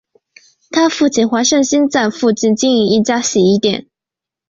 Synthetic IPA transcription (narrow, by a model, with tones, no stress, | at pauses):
t̪ʰa˥fu˥˩t͡ɕʰi˥˩nxwa˧˥ʂə˥˧ŋɕi˥nt͡sa˥˧nfu˥˧t͡ɕi˥˩nt͡ɕi˥˧ni˧˩i˥˩t͡ɕja˥ɕi˨˩i˥˧˥t̪jɛ̰˨˦n